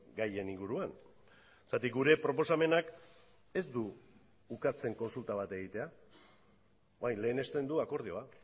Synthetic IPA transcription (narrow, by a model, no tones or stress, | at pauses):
ɡaje̞niŋɡuɾuan | t͡sat̪ik̚ɡuɾe̞pɾo̞po̞same̞nak | e̞zd̪uː | kat͡se̞ŋko̞nsult̪aβ̞at̪e̞ɣ̞it̪e̞a | oajnle̞ːne̞st̪e̞nd̪uako̞ɾð̞io̞a